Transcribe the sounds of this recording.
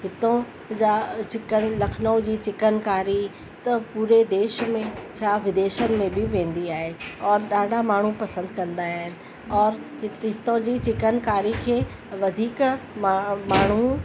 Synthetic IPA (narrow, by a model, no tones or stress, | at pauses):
ɦɪt̪õ | d͡ʑaːt͡ɕɪkənlɐkʰnəʊ̃d͡ʑiːt͡ɕɪkənkaːɾi | t̪ɐpuːɾed̪eːʃmẽt͡ɕʰaːʋɪd̪eːʃənɪ̆mẽbɪʋẽːn̆d̪iaːɦeɔːɾɗaːɖʱamaːɳ̤upɐsə̃nd̪kɐ̃nd̪aːɦɪnɪ̆ | ɔːɾ | ɦɪt̪õd͡ʑiːt͡ɕɪkənkaːɾikʰeː | ʋɐd̪ʱiːkmamaːɳ̤u